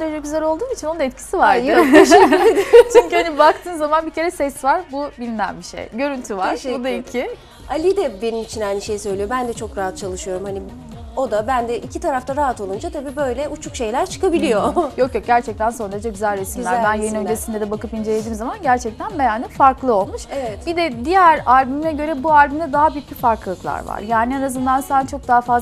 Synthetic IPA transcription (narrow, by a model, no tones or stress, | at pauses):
oɾad͡ʒaɟyzɛlʲo̞lˠd̪uːnit͡ʃʰinond̪aɛt̪cʰi̥sivaɾɯ | t͡ʃʰyɲcyanibakt̪ʰɯːmzamanbicʰe̞ɾɛsɛsvaɾbubilʲnæ̰nbiʃḛjɟø̞ɾynt̪ʰyvaɾbud̪aicʰi | alʲid̪ɛbe̞nimit͡ʃʰinajniʃe̞jsø̞jlʲijo̞bænd̪ɛt͡ʃʰo̞kɾaɦat̪̚t͡ʃʰalˠɯʃɯjo̞ɾumhani | o̞d̪abænd̪ɛʔicʰit̪ʰaɾaft̪ʰaɾaɦat̪o̞lˠund͡ʒat̪ʰabiːbøjlʲɛut͡ʃʰukʃe̞jlʲæɾt͡ʃʰɯ̥kabilʲijojo̞kjo̞k̚ɟæɾt͡ʃʰɛc̚t̪ʰænso̞nɾad͡ʒʰaɟyzælʲɾesimlʲæɾbænjajɯnød͡ʒ̪esind̪ɛd̪ɛbakɯpind͡ʒelʲed̪iːmzamanɟæɾt͡ʃʰɛc̚t̪ʰænbejanːifaɾklˠɯo̞lˠmuʃevɛt̪bid̪ɛd̪ijæɾaɾʲbymnɛɟø̞ɾɛbuaɾʲbymd̪ɛd̪aɦabyjycbʲifaɾklɯlˠɯklˠa̰ɾva̰ɾjaːnienazɯnd̪ansænt͡ʃʰo̞k̚d̪aːafazl